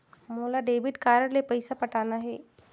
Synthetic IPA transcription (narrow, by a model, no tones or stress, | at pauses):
moːlaɖeːʋɪʈkaːɾəɽlepɐɪsapɐʈaːnaɦɛː